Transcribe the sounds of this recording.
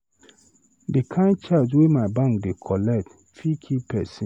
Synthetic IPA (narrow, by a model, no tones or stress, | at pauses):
dekʰãɪ̃n̚t͡ʃʰaswemaɪbãŋkdekʰɔlɛt | fikʰipʰɛ̰sĩ